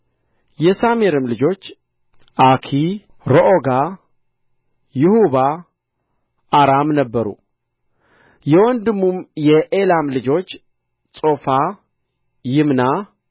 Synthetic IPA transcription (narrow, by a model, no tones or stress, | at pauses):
jɛsameɾɨmlɨd͡ʒo̞t͡ʃː | ʔakʰi | ɾoʔoɡa | jɪhuβa | ʔaɾamnəbːəɾṵ | jɛwɔnd̪ɨmːumjɛʔelamlɨd͡ʒo̞t͡ʃː | sʼo̞fa | jɪmna